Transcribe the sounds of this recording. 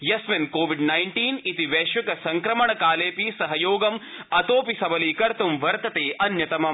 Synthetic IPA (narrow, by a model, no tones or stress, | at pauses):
jɐsmɐnkoːʋiɖnajɳʈiːnit̪iʋeːʃʋɐkɐsɐŋkɾɐmɐɳɐkaːleːpiːsɐɦɐjoːɡɐm | ɐt̪oːpisɐbɐliːkɐɾt̪umʋɐɾt̪ɐt̪eːʔɐnjɐt̪ɐmɐ